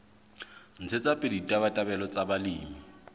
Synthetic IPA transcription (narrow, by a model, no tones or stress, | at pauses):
n̩t͡sʰet͡sʼapʼeditʼaβatʼabɛlɔt͡sʼabaliːmi